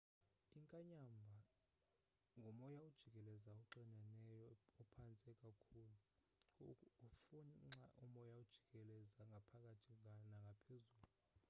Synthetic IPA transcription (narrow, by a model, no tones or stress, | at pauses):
iŋkʼaɲambʱa | ŋɡʱɔmɔjaud̥ʒ̥ʱikʼɛlɛzaɔǃɛnanɛjɔːpʰant͡sʼɛkʼakʰuːlu | fuŋ͡ǁaʔumɔjaud̥ʒ̥ʱikʼɛlɛzaŋɡʱapʰakʼatʰianaŋɡʱapʰezuːlu